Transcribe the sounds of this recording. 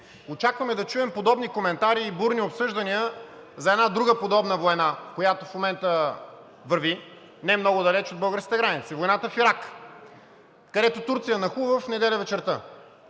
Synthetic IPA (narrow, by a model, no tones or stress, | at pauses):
ot͡ʃakvɐmɛd̪ɐt͡ʃuɛmpod̪ɔbnikomɛnt̪aɾiːbuɾniopsɤʒd̪ɐniəzɐɛd̪nad̪ɾuɡəpod̪ɔbnəvojnakojat̪ofmomɛnt̪ə | vəɾvi | nɛɛmnɔɡʊd̪ɐlɛt͡ʃod̪̚bɤlˠɡəɾskʲit̪ɛɡɾanit̪sivojnat̪əfiɾak | kɐd̪ɛt̪ot̪uɾt̪sijənɐxuvəfnɛd̪ɛlʲəvɛt͡ʃɛɾt̪ə